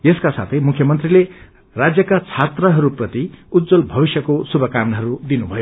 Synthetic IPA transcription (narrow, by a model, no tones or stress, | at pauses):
eskasa̰t̪ʰʌjmukʰjʌmʌnt̪rile | rad͡zjʌkat͡sʰat̪rʌɦʌɾuprʌt̪iud̪d͡zʌlbʱʌbisjʌkosubʱʌkamnɦʌɾud̪inubʱʌjo